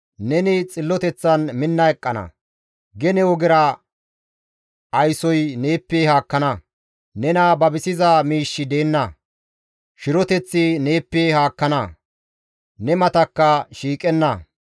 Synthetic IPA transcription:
nɛnɪt͡sʼɪlːɔt̪ɛt͡sːɐnmɪnːɐɛkʼːɐnɐ̰ | ɡɛnɛwɔɡɪɾɐ | ɐjsɔjneːpːehaːkːɐnɐ | nɛnɐbɐbɪsɪzɐmiːʃːɪd̪e̞ːnːɐ | ʃɪɾɔt̪ɛt͡sːɪne̞ːpːehaːkːɐnɐ | nɛmɐt̪ɐkːɐʃiːkʼɛnːɐ

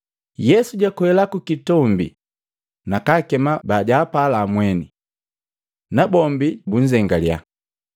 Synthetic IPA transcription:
jɛsuɟakwɛlakukitɔmbḭ | nakakɛmabaɟaːpalaːmwɛni | nabɔmbibuɲ̩d͡ʒɛŋɡalja̰

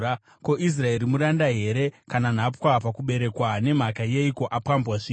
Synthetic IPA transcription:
a | ko̞ʔis̬rae̞ɾimuɾandaɦe̞ɾe̞kanan̤apwapakuɓe̞ɾe̞kwane̞m̤akaje̞iko̞ʔapambwaʐi

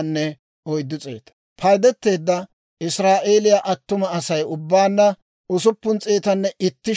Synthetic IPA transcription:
nːɛ | ɔjd̪ːʊt͡sʼḛːt̪ɐ̥ | pʰɐjd̪ɛt̪ːe̞ːd̪ːɐ | ʔɪsɾaːʔeːlɪjaːʔɐt̪ːʊmɐːsɐjʊbːaːnːɐ | ʊsʊpːʊnt͡sʼeːt̪ɐnːɛʔɪt̪ːɪ

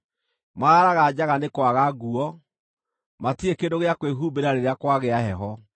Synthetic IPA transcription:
maaɾaɣad͡ʑaɣanekwaɣaɡuɔ | matiekendoɣeakweɦuːbeɾaɾeɾeakwaɣeaɦɛɦɔ

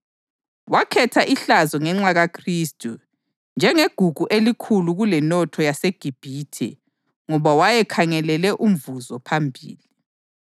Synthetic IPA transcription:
wakʰɛtʰaʔiɬazɔŋɛŋ͡ǁaɣakʰriːstʼu | nd͡ʒʱɛŋeɡ̥ʱuɡ̥ʱuʔelikʰuluɣulɛnɔtʰɔjaseɡ̥ʱib̥ʱiːtʰɛ̰ | ŋɔβawajɛkʰaŋɛlɛlɛʔum̩vuzɔpʰambʱḭːli

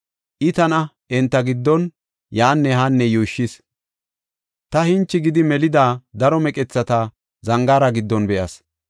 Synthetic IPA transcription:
ʔɪt̪ɐnɐ | ɛnt̪ːɐɡɪd̪ːɔn | jaːnːɛɦanːɛjuːʃːɪs | t̪ɐhɪnt͡ʃːɪɡɪd̪ɪmɛlɪd̪aːd̪ɐɾɔmɛkʼɛt͡sːɐt̪a | zɐŋɡaːɾɐɡɪd̪ːɔnbɛʔɐs

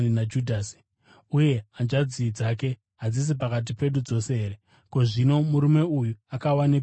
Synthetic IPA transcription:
nad͡ʒudʱaːs | uje̞and͡ʒad͡ziːd͡zake̞ | ɦad͡zis̬ipakat̬ipe̞ɗud͡zo̞se̞ɦeɾe̞ | ko̞ʐino̞muɾume̞ujuakawane

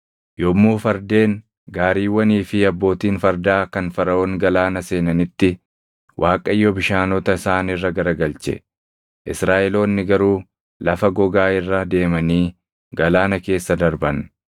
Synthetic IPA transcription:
jɔmːuːfɐɾd̪e̞ːn | ɡaːɾiːwːɐniːfɪɐbːo̞ːt̪iːnfɐɾd̪aːkɐnfɐɾɐoːnɡɐlaːnɐse̞ːnɐnɪt̪ːɪ | wʔaːkʼɐjːɔbɪʃaːnɔt̪ɐɪsaːnɪrːɐɡɐɾɐɡɐlt͡ʃɛ̰ | ʔɪsɾaːʔɛlo̞ːnːɪɡɐɾuː | lɐfɐɡɔɡaːɪrːɐd̪e̞ːmɐniː | ɡɐlaːnɐke̞ːsːɐd̪ɐɾbɐn

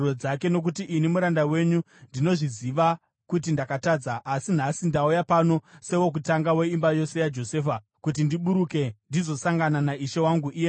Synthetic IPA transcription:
od͡zake̞no̞k̬utiʔinimuɾandawe̞ɲu | ndino̞ʐiziʋa | kutindakataːd͡zaʔasin̤asindaujapano̞se̞wo̞k̬utaŋɡawe̞imbajo̞se̞jad͡ʒo̞se̞ːfa | kutindiɓuɾuke̞ndizo̞saŋɡananaʔiʃewaŋɡuʔie

